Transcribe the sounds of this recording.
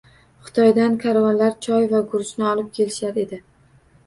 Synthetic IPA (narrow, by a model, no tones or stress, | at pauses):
χʊ̥t̪ʰɒjd̪ankʲʰaɾvɒnlaɾt͡ʃʰɒjvaɡʊɾʊʃnɪɒlˠɪp̚kʲʰe̞lɪʃaɾe̞d̪ɪ